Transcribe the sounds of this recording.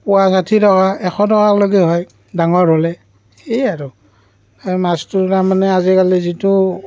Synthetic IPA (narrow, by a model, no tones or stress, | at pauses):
pʊwazatʰitɔkaɛxɔtɔkaloɡiɦɔj | daŋɔɹɔlɛ | hejaɹu | amastutamanɛazikalizitu